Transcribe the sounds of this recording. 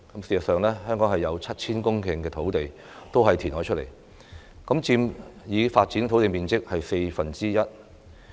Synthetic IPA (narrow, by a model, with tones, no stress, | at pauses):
kɐ˨˥msi˨sɐ˨tsœː˨ŋlɛː˥hœː˥ŋkɔ˨˥ŋɦɐ˨jːɐ˨˧wt͡sʰɐ˥t̚t͡sʰiː˥nkʊ˥ŋkʰɪ˨ŋkɛː˧t̪ʰo˨˥wt̪e˨j | t̪o˥wɦɐ˨jt̪ʰi˨˩nɦɔː˨˥jt͡ʃʰt̚le˨˩j | kɐ˨˥mt͡siː˧mjiː˨˧faː˧t̚t͡siː˨˥nt̪ʰo˨˥wt̪e˨jmiː˨nt͡sɪ˥k̚hɐ˨jse˧jfɐ˨nt͡siː˥jɐ˥t̚